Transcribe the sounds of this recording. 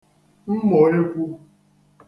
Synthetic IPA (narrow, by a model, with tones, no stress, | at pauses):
m̩˦mɔ˨ɾe˦kʷu˦